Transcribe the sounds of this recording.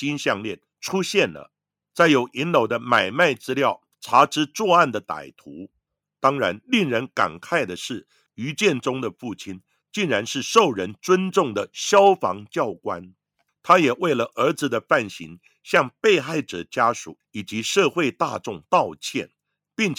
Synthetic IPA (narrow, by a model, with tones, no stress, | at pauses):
i˥nɕjɑ˥˧ŋljɛ˥˩n | ʈ͡ʂʰu˥ɕjɛ˥˩nlə̰˩ | t͡sa˥˩ɪjo˨˧˥ʊʔi˧˥nlo˨˩ʊd̪ə˦ma˨˩ɪma˥˩ɪt͡sɹ̩˥ljɑ˥˩ʊ | ʈ͡ʂʰa˧˥ʈ͡ʂɻ̩˥t͡swɔ˥˧a˥˩nd̪ə˩t̪a̰˨˩ɪt̪ʰu˧˥ | t̪ɑ˥ŋɻa˧˥nli˥˩ŋɻə˧˥nka̰˨˩nkʰa˥˩ɪd̪ə˩ʂɻ̩˥˩ | y˧˥t͡ɕjɛ˥˩nʈ͡ʂʊ˥ŋd̪ə˨fu˥˩t͡ɕʰi˥n | t͡ɕi˥˩nɻa˧˥nʂɻ̩˥˧ʂo˥˩ʊɻə˧˦˥nt͡swə˥nʈ͡ʂʊ˥˩ŋd̪ə˩ɕjɑ˥ʊfɑ̰˧˥ŋt͡ɕjɑ˥˩ʊkwa̰˦n | t̪ʰa˥jɛ˨˩we˥˩ɪlə˩ʔə˞˧˥d͡zɹ̩˨d̪ə˨fa˥˩nɕḭ˧˥ŋ | ɕjɑ˥˧ŋpe˥˧ɪxa˥˩ɪʈ͡ʂɤ̰˨˩t͡ɕja˥ʂṵ˨˩˦i˨˩t͡ɕi˧˥ʂɤ˥˧xwe˥˧ɪt̪a˥˧ʈ͡ʂʊ˥˧ŋt̪ɑ˥˧ʊt͡ɕʰjɛ̰˥˩n | pi˥˩ŋt͡ɕ